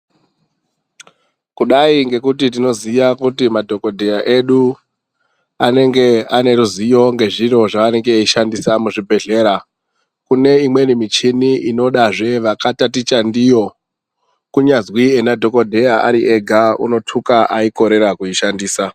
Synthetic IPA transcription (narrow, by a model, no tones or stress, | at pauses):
kuɗaiŋɡe̞kutit̬ino̞zijakutimadʱo̞ko̞dʱe̞jaʔe̞ɗu | ane̞ŋɡe̞ane̞ɾuzijo̞ŋɡe̞ʐiro̞ʐaʋane̞ŋɡeiʃandisamuʐibʱe̞ɮe̞ːɾa | kune̞imwe̞nimit͡ʃiniʔino̞ɗaʐe̞ʋakatatit͡ʃandijo̞ | kuɲazwienadʱo̞ko̞dʱe̞jaʔaɾiʔe̞ɡʱaṵno̞tʰukaʔaiko̞ɾe̞ɾakuiʃandiːsa